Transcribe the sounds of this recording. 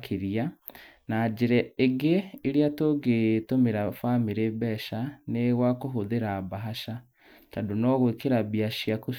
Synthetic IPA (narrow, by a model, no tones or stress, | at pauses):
kʰeɾia | nad͡ʑeɾɛeɡeːɾeatoɡetomeɾafamiɾebɛʃaneɣwakoɦoðeɾabaɦaʃa | tadonɔɣwekeɾaβiaʃiako